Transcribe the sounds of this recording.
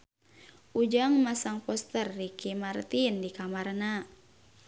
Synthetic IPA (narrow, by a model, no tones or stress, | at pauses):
ʔud͡ʒaŋmasaŋpɔst̪ərːikimart̪indikamarna